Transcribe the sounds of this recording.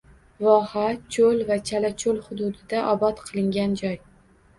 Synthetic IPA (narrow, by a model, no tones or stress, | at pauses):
vɒhat͡ʃʰolvat͡ʃʰalat͡ʃʰolˠhʊd̪ʊd̪ɪd̪aʔɒbɒt̪qʰɨlˠɪŋɡʲand͡ʒɒj